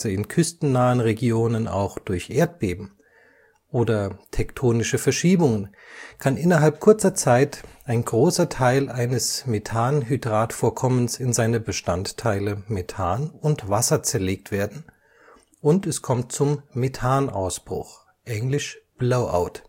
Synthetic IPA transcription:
zəɪnkʰʏstn̩naːənʁeɡjoːnənʔa̰ʊxd̥ʊɐçʔeːɐt̚b̥eːbm̩ | ʔoːdɐtʰɛktʰoːnɪʃəfɛɐʃiːbʊŋən | kʰanʔɪnɐɦalp̚kʰʊɐt͡sɐt͡saɪtʔaɪnɡʁoːsɐtʰaɪlʔaɪnəsmetʰaːnɦydʁaːtfoːɐkʰɔmənsɪnzaɪnɐbəʃtanttʰːaɪləmetʰaːnʊntv̥asɐt͡sɛɐleːk̚tv̥eːɐdn̩ | ʔʊntɛskʰɔmt̚t͡sʊmːetʰaːnʔa̰ʊsb̥ʁ̥ʊ̰x | ʔɛŋlɪʃb̥loʊʔa̰ʊt

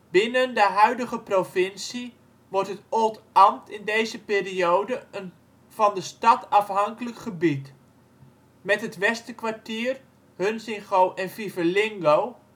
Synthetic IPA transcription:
b̥ɪnəndəɦœɥdəχəprofɪnsi | ʋɔrtɦətotɑmtʰɪndejzəpeːriowdəən | vɑndəstɑtʰɑfɦɑŋkələkχəbit | mɛtɦətʋɛstəkʋartiːər | hønsɪŋχowʔɛnfivəlɪŋɡow

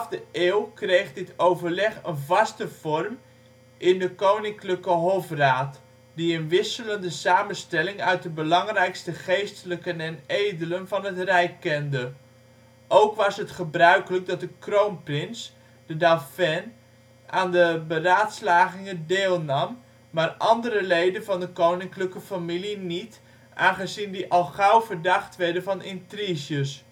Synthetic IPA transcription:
fdəʔeːwkrejχdɪtʰowvərlɛχənvɑstəv̥ɔrm | ʔɪndəkownɪŋkləkəɦofraːt | diənʋɪsələndəsaːmənstɛlɪŋœɥt̚dəbəlɑŋrɛjkstəχejstələkənɛnejdələnvɑnɦətrɛjkːɛndə | ʔowkʋɑsɦətχəbrœɥkələɡ̚dɑt̚dəkrowmprɪns | d̥ədafɛn | aːndəbəraːtslaːχɪŋədɪːlˠnɑmː | aːrʔɑndəɾəlejdənvɑndəkownɪŋkləkəfamilinit | ʔaːnχəzindiʔɑlˠχɑwvəɹdɑχtʋɛɹdəvɑnɪntriʒəs

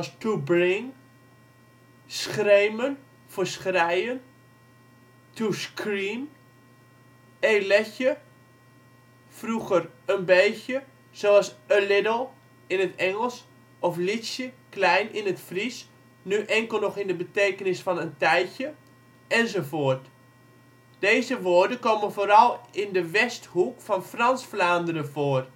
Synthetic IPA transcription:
stubrɪŋ | sxreːmən | fəsxrɛjən | tuskriːn | eːlɛçə | fruɣərənbeːsjə | soɑsəlɪdəlˠ | ɪnətɛŋəlˠs | ɔflisjəklɛjnɪnətfris | nyʔɛŋkəl̩ˠnɔxɪndəbəteːkənɪsfɔnəntɛjçə | ɛnzofoərt | d̥eːzəʋoərdəkoːmənfoːɾɑlˠɪndəʋɛsthukfɔnfrɑnsflaːndəɾəfoːər

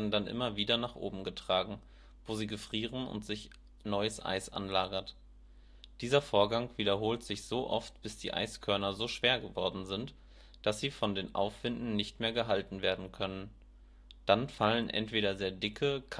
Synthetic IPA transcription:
ɐdn̩danʔɪ̰mɐviːdɐnaːχʔo̰ːbm̩ɡətʁ̥aːɡŋ̩ | voːziːɡəfʁ̥iːʁənʊ̰ntz̥ɪç | nɔʏəsʔa̰ɪsʔa̰nlaːɡɐt | d̥iːzɐfoːɐɡaŋv̥iːɾɐɦoːltz̥ɪçz̥oːʔɔ̰ftb̥ɪsd̥ḭːʔa̰ɪskʰœɐnɐzoːʃv̥eːɐɡəvɔɐdn̩zɪnt | d̥asz̥iːfɔndeːnʔa̰ʊfv̥ɪndn̩nɪçtmeːɐɡəɦaltn̩veːɐdn̩kʰœnən | d̥anfalənʔɛ̰ntv̥eːɾɐzeːɐdɪkʰəkʰ

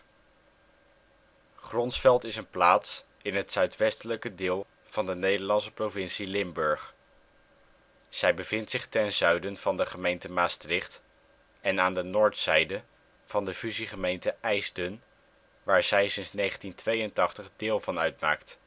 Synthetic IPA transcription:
χrɔnsfɛlˠtɪsənplaːts | ɪnɦətsœɥtʋɛstələkədɪːlˠ | v̥ɑndənejdəɹlɑnsə̥provɪnsilɪmbɵɹχ | z̥ɛjbəv̥ɪntsɪχtɛnzœɥdənv̥ɑndəχəmejntəmaːstrɪχt | ɛnaːndənoːɹtsɛjdə | v̥ɑndəfyziχəmejntəʔɛjsdən | ʋaːɹz̥ɛjsɪnsnejχəntintʋejəntɑχtəχdɪːlˠvɑnœɥtma̰ːkt

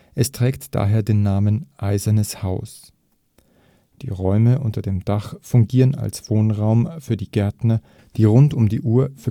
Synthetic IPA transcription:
ʔɛstʁ̥ɛːktd̥a̰ːɦeːɐdeːnːaːmənʔaɪzɐnəshaʊs | d̥ḭːʁɔʏməʔʊntɐdeːmd̥aχfʊŋɡiːʁəna̰lsv̥oːnʁaʊmfyːɐdiːɡɛɐtnɐ | d̥iːʁʊntʊmdḭːʔuːɐf

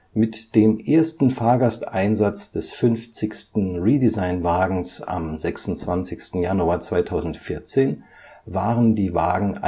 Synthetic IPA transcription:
mɪtd̥eːmʔeːɐstn̩faːɐɡastʔaɪnzat͡sd̥ɛsfʏnft͡sɪçstn̩ʁiːdizaɪnvaːɡŋ̩sa̰mzɛksʊnt͡sv̥ant͡sɪçstn̩januaːɐt͡sv̥aɪtʰaʊzn̩tfɪɐt͡seːn | vaːʁəndiːva̰ːɡŋ̩a

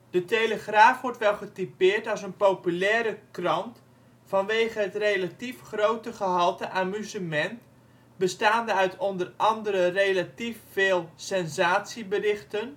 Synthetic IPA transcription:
d̥ətejləχraːfʋɔɹtʋɛlˠχətipɪːrtɑlˠsənpowpylɛːɾəkrɑnt | fɑnʋeːχəɦətrejlatifχrowtəχəɦɑlˠtəʔaːmyzəmɛnt | bəstaːndəœɥtʰɔndərʔɑndəɾərejlatifːeːlˠsɛnzaːtsibərɪχtən

